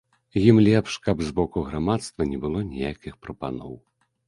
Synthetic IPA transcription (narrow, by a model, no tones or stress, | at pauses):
jimlʲɛpʂkɐbzbɔkuɣɾamat̪st̪vɐnʲɛbɨlˠɔnʲijakʲixpɾɐpa̰nɔ̰w